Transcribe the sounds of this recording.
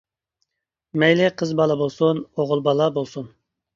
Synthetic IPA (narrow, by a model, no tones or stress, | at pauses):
mɛjlɪqʰəzbɑlˠɑbolˠsunoʁʊlˠbɑlˠɑbolˠsun